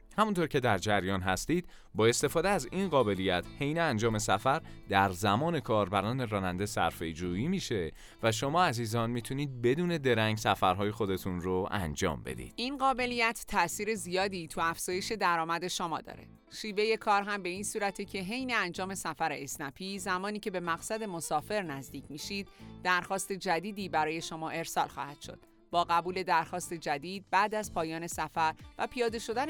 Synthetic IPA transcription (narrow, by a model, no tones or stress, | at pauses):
hæmunt̪ʰoːɾcʰe̞d̪æɾd͡ʒæɾjɒːnɦæst̪iːd̪̥ | bɒːe̞st̪e̞fɒːd̪eæzinɢɒːbe̞lijæt̪ʰhe̞jneænd͡ʒɒːmesæfæɾd̪̥æɾzæmɒːne̞kʰɒːɾbæɾɒːne̞ɾɒːnænd̪e̞sæ̰ɾfe̞jd͡ʒuːiːmiːʃe̞ | væʃ̬o̞mɒːæziːzɒːnmiːt̪ʰuniːd̪̚be̞d̪uːne̞d̪e̞ɾæŋɡsæfæɾɦɒːje̞xod̪e̞t̪ʰunroæ̰nd͡ʒɒ̰ːmbe̞̰d̪ḭːd̪̥inɢɒːbe̞lijæt̪ʰːæsiːɾe̞zijɒːd̪it̪ʰuæfz̥ɒːjeʃe̞d̪æɾɒːmæd̪e̞ʃomɒ̰ːd̪ɒ̰ːɾe̞̰ | ʃiːve̞je̞kʰɒːɾɦæmbe̞iːnsuːɾæt̪ʰecʰe̞ɦe̞jne̞ænd͡ʒɒːme̞sæfæɾeːsnæpʰiːzæmɒːniːcʰe̞be̞mæɣsæd̪e̞mo̞sɒːfe̞ɾnæzd̪iːcʰmiːʃid̪̥̚ːæɾxɒːst̪e̞d͡ʒæd̪iːd̪iːbæɾɒːje̞ʃomɒːʔe̞ɾsɒːlxɒ̰ːhæd̪̥ʃo̞̰d̪̥̚ | bɒːɣæbuːle̞d̪æɾxɒːst̪e̞d͡ʒæd̪iːd̪̚bæːd̪æzpʰɒːjɒːne̞sæfæɾvæpʰijɒːd̪e̞ʃo̞d̪æn